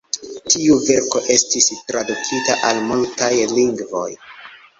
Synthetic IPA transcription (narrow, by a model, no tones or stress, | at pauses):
tiuve̞ɾko̞ʔe̞stistɾadukʰitaʔalmultajliŋɡvo̞̰j